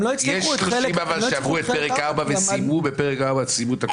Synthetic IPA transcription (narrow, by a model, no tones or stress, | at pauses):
mloit͡sjeʃloimavalʃeavʁuet̪̚peʁetkaʁbavesimubepeʁekaʁbat͡simut̪ak